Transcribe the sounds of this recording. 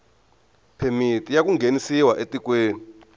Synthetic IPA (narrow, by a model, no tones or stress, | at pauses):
pʰemitʼijak̬ʼuŋɡʱenisiwaʔetʼik̬ʼweːni